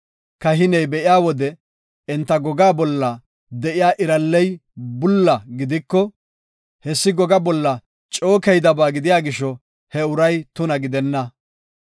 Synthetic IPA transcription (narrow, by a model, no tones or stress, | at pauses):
kɐɦɪnɛjbɛʔɪjaːwɔd̪ɛ | ɛnt̪ːɐɡɔɡaːbɔlːɐ | d̪ɛʔɪjaːʔɪɾɐlːɛjbʊlːɐɡɪd̪ɪkːɔ | hɛsːɪɡɔɡɐbɔlːɐ | t͡ʃʼo̞ːkɛjd̪ɐbaːɡɪd̪ɪjaːɡɪʃɔ | hɛʊɾɐjt̪ʊnɐɡɪd̪ɛnːɐ